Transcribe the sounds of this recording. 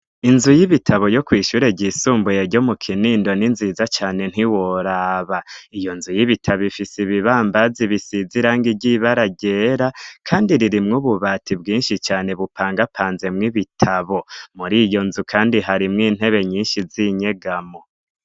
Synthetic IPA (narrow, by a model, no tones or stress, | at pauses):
inzujiβitʰaβo̞jo̞kwiːʃuɾe̞ɟisuːmbujeɾɟo̞mukʰiniːndo̞ninziːzat͡ʃaːne̞n̥hiwoɾaːβaijo̞nzujiβitʰaβifisiβiβaːmbaziβisiziɾaːŋɡiɟiβaɾaɟeɾakʰaːndiɾiɾimŋuβuβaːtʰibɡiːnʃit͡ʃaːne̞βupʰaːŋɡapʰaːnze̞mŋiβitʰaβo̞muɾiːjo̞nzukʰaːndiɦaɾimŋiːn̥e̞βe̞ɲiːnʃiziɲe̞ɡamo